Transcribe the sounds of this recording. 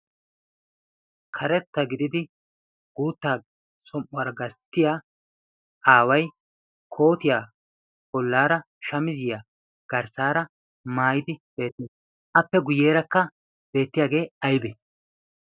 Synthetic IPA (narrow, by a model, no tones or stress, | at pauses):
kʰɐɾɛt̪ːɐɡɪd̪ɪd̪ɪ | ɡ̥uːt̪ːaː | sʼɔmʔʊwaːɾɐɡɐst̪ːɪjaː | ʔaːwɐj | kʰo̞ːt̪ɪjaː | ɔlːaːɾɐ | ʃɐmɪzɪjaː | ɡ̥ɐɾsaːɾɐ | maːjɪd̪ɪb̥e̞ːt̪ːneːs | ʔɐpːɛɡʊje̞ːɾɐkːɐ | b̥e̞ːt̪ːɪjaːɡe̞ːɐjbe